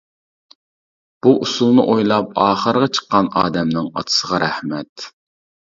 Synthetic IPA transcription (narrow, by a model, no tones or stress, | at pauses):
b̥uʔusulˠnɨʔojlˠɑpɑːχəɾəʁɑt͡ʃʰə̥qːɑnɑ̰ːd̪ɛmnɪŋɑ̰t̪ʰə̥səʁɑɾæhmɛt̪